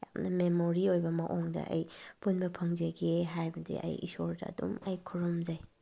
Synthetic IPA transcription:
jamnɐmemoɾiojbɐmɐʔoŋdɐ̰ʔɐjpunbɐpʰɐŋd͡ʒɐɡeɦajbɐdḭʔɐ̰jḭsoɾdɐ̰ːdumɐjkʰuɾɔmd͡ʒɐj

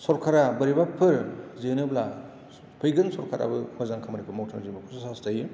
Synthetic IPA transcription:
sɔɾkʰaɾabɐɾibapʰɯɾzenɯbla | pʰɯjɡɯnsɔɾkʰaɾa̰bɯmɐzaŋkʰamɾikʰɯmowtʰamzibɯkʰussastaj

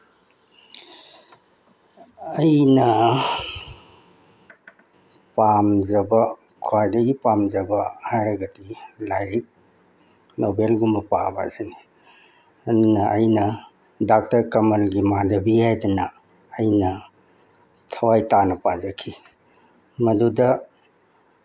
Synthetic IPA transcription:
ɐjnɐ | pamzɐbɐ | kʰwajdɐɡipamzɐbɐhajɾɐɡɐdilajk̚ | nobelɡumɐpaba̰sini | ɐdunɐːjnɐ | dak̚tɐɾkɐmɐlɡimadɐbihajdɐnɐː | jnɐ | tʰɐwajtanɐpazɐkʰi | mɐdudɐ

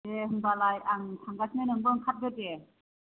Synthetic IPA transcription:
ehɯŋbalajaŋsʰaŋɡasʰŋajnɯŋbɯŋkʰat̚ɡɯte

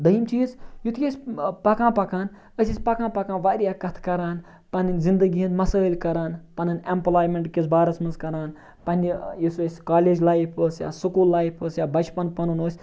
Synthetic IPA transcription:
d̪ɐimt͡ʃiːzjut̪ʰkʲesʲpɐkãːpɐkaːn | əsʲisʲpɐkãːpɐkãːnʋaːɾʲijaːkɐt̪ʰkɐɾaːn | pɐninzind̪ɐɡiɦinmɐsaːlʲkɐɾaːnpɐnɨnʲemplaːjmeɳʈkʲisbaːɾɐsmɐnskɐɾaːn | pɐnʲijisuɐsʲkaːleːd͡ʒlaːjipʰəːsja̰ːsukuːlːaːjipʰəːsjaːbɐt͡ʃpɐnpɐnɐnoːsʲ

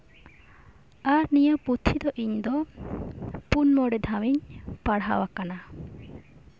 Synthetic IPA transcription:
aɾnijəput̪ʰːid̪ɔʔiɲd̪ɔ | punmɔɽɛd̪ʱamiɲpaɽɦa̰wakana

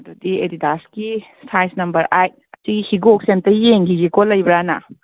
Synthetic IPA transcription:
dɐdiḛdidaski | sajsnɐmbɐɾʔajt̚ɐtiɡihiɡok̚sentɐjeŋɡiɡikolɐjbɾana̰

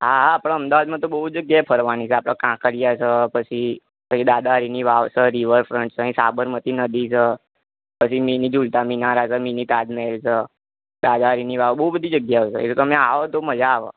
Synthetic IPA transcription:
ɦaɦapəɳəmd̪aʋad̪mãt̪obəɦud͡ʒəɡjajpʰəɾʋanit͡ʃʰɛapɽãkãkʰəɾijat͡ʃʰəpət͡ʃʰi | pət͡ʃʰid̪ad̪aɾiniʋaʋsəɾiʋəɾfɾəɳʈsʰəɦĩsa̰bəɾmət̪inəd̪ʱit͡ʃʰə | pət͡ʃʰiminid͡ʒult̪aminaɾasəminit̪ad̪melt͡ʃʰə | d̪ad̪aɾiniʋaʋbəɦubəd̪ʱid͡ʒəɡjaʋsʰə̰ḛt̪ot̪əmẽaʋot̪oməd͡ʒaːʋa̰

